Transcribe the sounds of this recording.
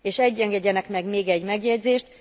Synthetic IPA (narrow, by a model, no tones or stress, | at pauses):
eːʃɛɟːɛŋɡɛɟːɛnɛkmɛɡmeːɡɛɟmɛɡjɛɟzeːʃt̪